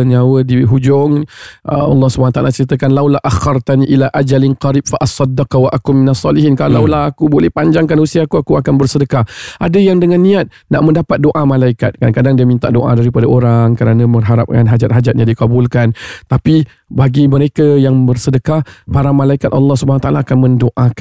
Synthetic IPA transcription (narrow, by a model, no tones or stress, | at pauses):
ɲawədiɦud͡ʒʊŋʔə̰ɑ̰lːɑhsubanat̪aʔa̰lat͡ʃəɾit̪əkanlawlaʔaxɑrt̪aniʔilaʔad͡ʒalɪnqɑɾib̚faʔɑsˤɑd̪ːakwaʔakʊminasˤːɑliɦinkalawlaɦakubolɛhpaɲd͡ʒaŋkanhusiakuakuakanbərsədəkahʔadəjaŋdəŋãnːĩat̪̚ | naʔmə̃ndapat̪̚doʔamalaika̰t̪̚kadaŋkadaŋdiamint̪aʔdoʔa̰daɾipadaʔoɾaŋkəɾanãmərɦaɾa̰p̚kanɦad͡ʒat̪̚ɦad͡ʒat̪̚ɲadikabulkant̪api | baɡiməɾekajaŋbərsədəkahpaɾamalaikat̪̚ɑ̰lːɑhsubanwat̪aʔalaːkanmə̃ndoʔak